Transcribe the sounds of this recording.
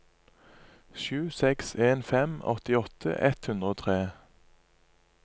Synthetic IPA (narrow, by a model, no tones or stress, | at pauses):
ʃʉːsɛkseːnfɛmɔ̰t̪ɪɔt̪ʰə̰ʔɛt̪hʉnd̪ʁəoːt̪ʰʁeː